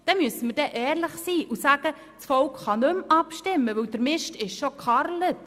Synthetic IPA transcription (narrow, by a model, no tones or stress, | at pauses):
d̪̥ɛmyəsəməɾd̥ɛʔɛːɾləχsiːʔusæɡ̥ə | t͡sfɔwkχɑnɵmɑpʃtɪmːəʋɵwd̪əɾmɪʃtɪʃʃokχɑɾlət